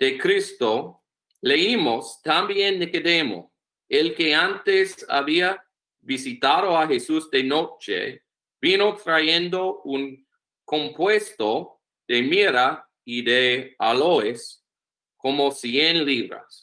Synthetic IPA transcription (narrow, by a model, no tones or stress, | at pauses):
d̪̥ekɾist̪o | leimost̪ambjẽnd̪ekedemo̰ | elkeant̪esa̰βia | bisit̪aðoaxesusd̪enot͡ʃḛ | binot̪ɾajend̪ouŋ | kõmpwest̪o | d̪emiɾa | id̪ealoes | komosjenliβɾa̰s